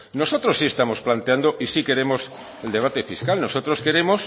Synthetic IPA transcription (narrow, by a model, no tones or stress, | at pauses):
nosot̪ɾosːiest̪amosplant̪eand̪oʔisike̞ɾemos | eld̪e̞β̞at̪efiskalnosot̪ɾoske̞ɾemos